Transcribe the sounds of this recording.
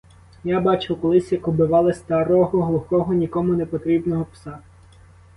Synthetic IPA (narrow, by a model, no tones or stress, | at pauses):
jabɑt͡ʃɪwkɔlˠɪsʲjɐkɔbɪʋɑlˠɪst̪ɐɾɔɦɔɦlˠʊxɔɦɔnʲikɔmʊnepɔt̪ɾʲibnɔɦɔpsɑ